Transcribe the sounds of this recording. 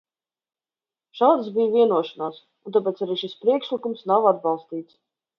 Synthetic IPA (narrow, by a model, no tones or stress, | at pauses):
ʃaːd̪sbijviɛnuɔʃanaːs | unt̪ap̬ɛːt̪saɾiːʃispɾiɛkʃlikumsnawad̪̚bɑlˠst̪iːt̪s